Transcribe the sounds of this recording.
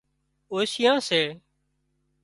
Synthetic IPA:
oːʃɪjãːseː

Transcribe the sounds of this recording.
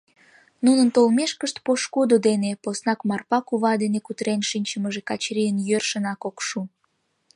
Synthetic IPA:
nunənt̪olmeʃkəʃt̪̚poʃkod̪od̪eneposnɑkmɑrpɑkuβɑd̪enekut̪ɾenʃinʲt͡ɕəməʒekɑt͡ɕɾijənjørʃənɑkokʃu

